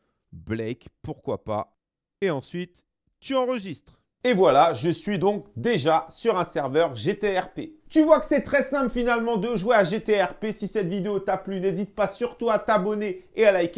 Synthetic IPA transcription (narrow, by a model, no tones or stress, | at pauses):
blɛkpuʁkwapa̰ | eɑ̃sɥit̪ː | yɑ̃ʁəʒist̪χ | evwalaʒəsɥid̪ɔ̃k̚d̪eʒasyʁɛ̃sɛʁvœʁʒet̪eɛʁpet̪yvwakə̥sɛt̪χɛsɛ̃plfinalmɑ̃d̪əʒweaʒet̪eɛʁpesisɛt̪vid̪eot̪aplynezit̪̚pasyʁt̪uat̪abɔneealajkʲ